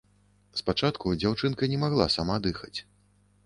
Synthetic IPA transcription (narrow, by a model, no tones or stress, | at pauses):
spat͡ʂat̪kud͡zʲawt͡ʂɨnkɐnʲɛmaɣlˠa̰samad̪ɨxɐt͡sʲ